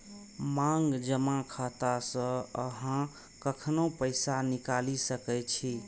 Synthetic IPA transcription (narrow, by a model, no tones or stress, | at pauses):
maŋɡd͡ʒəmakʰat̪asə̃əɦã | kəkʰnopəjsanikalisəkɛt͡ʃʰi